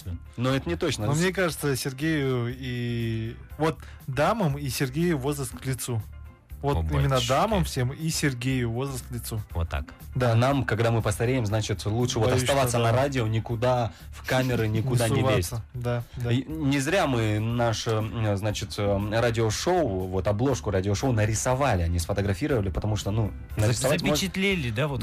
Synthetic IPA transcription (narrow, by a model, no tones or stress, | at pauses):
noɛt̪ənʲɪt̪ot͡ɕnəomnʲekaʐɨt̪səsʲɪrɡʲejʊi | vo̞t̪ | d̪aməmisʲɪrɡʲejʊvo̞zɾəst̪klʲɪt̪su | vo̞t̪imʲɪnːəd̪aməmfsʲemisʲɪrɡʲejʊvo̞zrəst̪klʲɪt̪suvot̪ːa̰k | d̪anamkɐɡd̪amɨpəst̪ɐɾʲejɪmznat͡ɕɪt̪lˠutʂɨvo̞ɐst̪ɐvat̪sːənɐɾadʲɪonʲɪkʊd̪a | fkamʲɪɾɨnʲɪkʊd̪anʲɪvaesʲətd̪aanʲɪzɾʲamɨnaʂznat͡ɕɪt̪radʲɪoʂoʊvo̞t̪ɐblˠo̞ʂkʊradʲɪoʂoʊnəɾʲɪsɐvalʲɪɐnʲisfət̪əɡɾɐfʲiɾəvəlʲɪpət̪ɐmuʂt̪onu | nəɾʲɪsɐvatʲmʲɪot͡ɕɪt̪lʲelʲɪd̪avot̪